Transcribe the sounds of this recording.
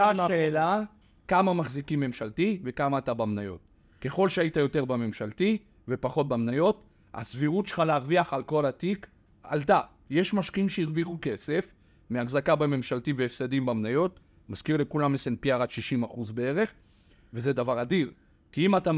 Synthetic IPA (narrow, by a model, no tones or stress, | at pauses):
aaeːla | kamamaχzikimːe̞mʃaltive̞kamaːtabamnajo̞̰t̚ | ke̞χo̞lʃeaitajo̞te̞ʁbame̞mʃalti | ve̞paχo̞t̚bamnajo̞t | a̰sviʁutʃe̥χaleaʁviaχalko̞latik | a̰lta | je̞ʃmaʃkiimʃeiʁviχuke̞se̞f | meaχzakabeme̞mʃaltiveefsadimbamnajo̞t | maz̥kiʁle̞kulamesenpiaʁatʃiʃimaχuzbee̞ʁe̞χ | ve̞zedavaʁadiʁ | kiimata